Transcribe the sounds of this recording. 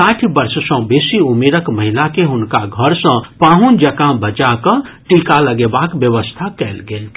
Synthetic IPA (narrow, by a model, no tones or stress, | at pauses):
ãʈʰbəɾssə̃besiumeɾəkməɦilakeɦʊnkaɡʱəɾsə̃pãɦund͡ʒəkãbət͡ʃakə̃ʈikaləɡebakbjəʋəst̪ʰakɛlɡel